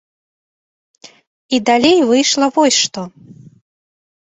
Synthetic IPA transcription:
id̪alʲejvɨjʂlˠɐvɔsʲʂt̪ɔ

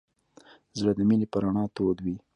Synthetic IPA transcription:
zɽəd̪əminepəɾaɳɑːt̪od̪wi

